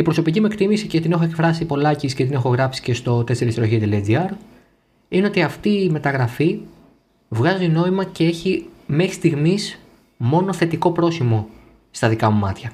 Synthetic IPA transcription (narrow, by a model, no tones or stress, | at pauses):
ipɾo̞so̞picime̞kt̪imisice̞t̪ine̞xoe̞kfɾɐsipo̞lɐcisce̞t̪ine̞xo̞ɣɾɐpsi̥ce̞st̪o̞t̪e̞seɾisɾo̞çit̪eled͡ziɐɾ | ine̞o̞t̪iɐft̪iːme̞t̪ɐɣɾɐfi | vɣɐzino̞imɐce̞e̞çime̞xɾi̥st̪iɣmis | mo̞no̞θe̞t̪iko̞pɾo̞simo̞ | st̪ɐðikɐmumɐt̪çɐ